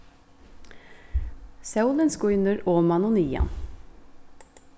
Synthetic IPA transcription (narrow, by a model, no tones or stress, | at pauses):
sɑʉlənskʊʏnəɾoːmɑnʊniːɑ̰n